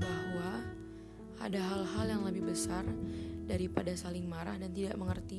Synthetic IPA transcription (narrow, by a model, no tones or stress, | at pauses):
bahwa | ʔa̰daɦalɦaljaŋləbɪhbəsardaɾipadasalɪŋmaɾa̰hdant̪idaʔməŋərt̪i